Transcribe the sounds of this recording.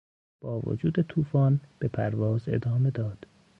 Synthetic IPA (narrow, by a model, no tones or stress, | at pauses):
b̥ɒːvo̰d͡ʒuːd̪et̪ʰuːfɒːnb̥epʰæɾvɒːze̞̰d̪ɒːme̞d̪ɒːd̪̥